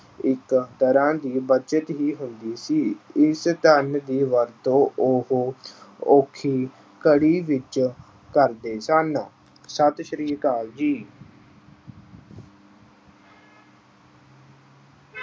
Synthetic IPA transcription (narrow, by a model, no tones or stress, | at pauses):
ɪkt̪əɾãːd̪iːbət͡ʃət̪ɦiːɦʊnd̪iːsiːɪst̪ənd̪iːʋəɾt̪õːʊh | oːkʰiː | kəɽiːʋɪt͡ʃ | kəɾd̪eːsən | sət̪ʃəɾiːɾkaːld͡ʒiː